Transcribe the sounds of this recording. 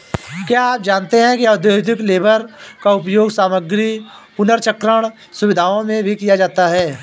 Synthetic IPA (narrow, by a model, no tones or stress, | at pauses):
kjaːaːp̚d͡ʒaːnt̪eɦɛ̃kiad̪jod̪ʱɪkleːbəɾkaʊpjoːɡsaːməɡɾipʊnəɾt͡ʃəkɾəɽ̃ | sʊʋɪd̪ʱaːõmẽbʱikijad͡ʒaːt̪aɦɛː